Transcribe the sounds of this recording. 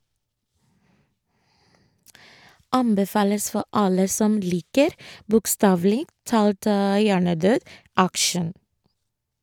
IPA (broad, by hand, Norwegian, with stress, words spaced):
ˈɑmbɛˌfɑːləs ˈfɔ ˈʔɑlə ˈsɔm ˈliːkəɾ bʊkˈstɑːʋl̩ɪ ˈtɑːlt ə ˈjæːɳəˌdøːd ˈækʃən